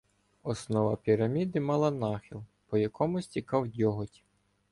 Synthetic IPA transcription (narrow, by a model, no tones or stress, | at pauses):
ɔsnɔʋɑpʲiɾɐmʲid̪ɪmɑlˠɐnɑxʲilˠpɔjɐkʰɔmʊsʲtʲikɑwdʲɔɦɔtʲi̥